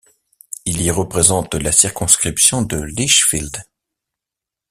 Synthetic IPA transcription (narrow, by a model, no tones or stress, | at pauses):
iliʁəpχezɑ̃t̪lasiʁkɔ̃skχipsjɔ̃d̪əliʃfild̪